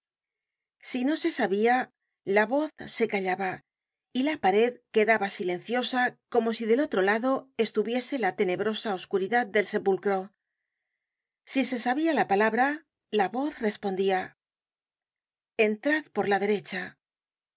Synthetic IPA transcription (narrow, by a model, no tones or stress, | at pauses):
sino̞se̞saβia | laβo̞θse̞kaʎaβa | ilapaɾe̞ðke̞ðaβasile̞n̟θjo̞sako̞mo̞siðe̞lo̞t̪ɾo̞laðo̞e̞st̪uβje̞se̞lat̪e̞ne̞βɾo̞sao̞skuɾiðað̚d̪e̞lse̞pulkɾo̞ | sise̞saβialapalaβɾa | laβo̞θre̞spo̞nd̪ia | e̞nt̪ɾaðpo̞ɾlaðe̞ɾe̞t͡ʃa